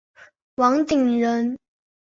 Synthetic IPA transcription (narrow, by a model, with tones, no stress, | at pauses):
wɑ˧˥ŋt̪i˨˩ŋɻə˧˥n